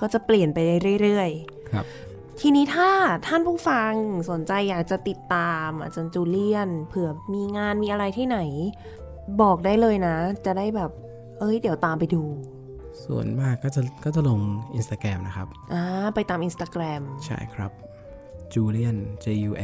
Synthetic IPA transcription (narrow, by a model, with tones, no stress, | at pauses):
kɔː˥˩t͡ɕa˨˩pli˨˩ənpa˧jdaː˥˩jɾɯ˥˩ə˩jɾɯ˥˩əj | kʰɾa̰˦˥p̚ | t̪ʰiː˧niː˦˥t̪ʰaː˥˩t̪ʰa˥˩npʰuː˥˩fa˧ŋso˩˦nt͡ɕa˧jːaː˨˩k̚t͡ɕa˨˩t̪i˨˩t̪ːaː˧mʔa̰˧˩t͡ɕa˧nt͡ɕuː˧li˥˩ənpʰɯ˩˦ɐmiː˧ŋaː˧nmiː˧ʔa˧ɾa˧jt̪ʰaː˥˩na˩˦j | bɔː˨˩k̚daː˥˩jlɤː˧jna˦˥t͡ɕa˨˩daː˥˩jbɛː˨˩p̚ | ʔɤ˦˥˩jdi˩˦wt̪aː˧mpa˧jduː˧ | sṵ˨˩ənmaː˥˩kːɔː˥˩t͡ɕa˨˩kɔː˥˩t͡ɕa˨˩lo˧ŋʔi˧nst̪aː˧˩kɾɛː˧mna˦˥kʰa˦˥p̚ʔaː˧pa˧jt̪aː˧mʔi˧nst̪aː˧kɾɛː˧mt͡ɕʰa̰˥˩jkʰɾa̰˦˥p̚ | t͡ɕuː˧li˥˩ənt͡ɕeː˧juː˧ʔ